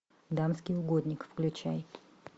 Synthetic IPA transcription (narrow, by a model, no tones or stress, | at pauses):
d̪amskʲɪjʊɡod̪ʲnʲɪkfklʲʉt͡ɕæjɪt̪